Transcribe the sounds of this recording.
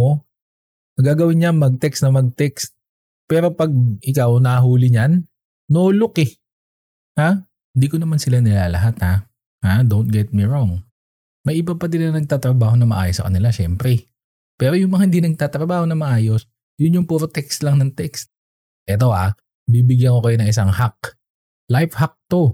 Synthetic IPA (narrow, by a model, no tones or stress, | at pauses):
o | nɐɡaːɡɐwɪnɲaŋmɐɡ̚t̪ɛkst̪nɐmɐɡ̚t̪ɛkst̪̚ | pɛːɾo̞pɐɡ̚ʔɪkawnɐɦuːlɪɲanː | oːlokɪ | ha | ɪnd̪iːkonɐmansɪlanɪlaːlɐ̰ɦat̪ha | had̪ownt̪̚ɡɛt̪̚miɹoŋ | mɐjʔɪbab̚pɐd̪ɪlɐnɐŋnɐɡ̚t̪aːt̪ɾɐbaːho̞nɐŋmɐ̰ʔa̰ːjosːɐ̰kɐ̰nɪlaʃɛmpɾɛ | pɛːɾo̞jʊŋmɐŋahɪnd̪inɐɡ̚t̪aːt̪ɾɐbaːho̞nɐmɐʔaːjo̞s | jʊnjʊŋpuɾot̪ɛkst̪lɐŋnɐŋt̪ɛkst̪̚ | ʔɛt̪o̞ʔa | bibɪɡjɐnkokɐjonɐŋʔɪsaŋhak̚ | lajfhak̚t̪o̞